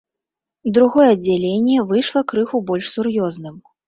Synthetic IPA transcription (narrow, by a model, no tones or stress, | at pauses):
d̪ɾuɣɔjɛɐd͡zʲːalʲenʲːɛvɨjʂlˠɐkɾɨxubɔlʲʂsurjɔznɨm